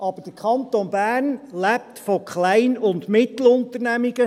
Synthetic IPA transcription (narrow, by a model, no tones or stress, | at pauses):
ʔɑb̥əɾd̥əkχɑnt̪onbæːrnlæp̚t̪fɔkχlæɪnʊndmɪt̪l̩ʊnt̪əɾnæmiɡə